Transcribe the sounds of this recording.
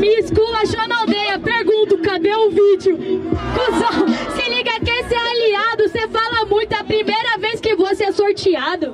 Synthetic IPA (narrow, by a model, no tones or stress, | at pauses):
miskulɐʃonawd̪ejɐpeɾɡũnt̪ʊkad̪ẽʊvid͡ʒʊkuzakeliɡɐkesealiad̪ʊsefalɐmũj̃t̪ʊɐpɾimejɾɐveskɪvosɛsoɾt͡ʃiad̪ʊ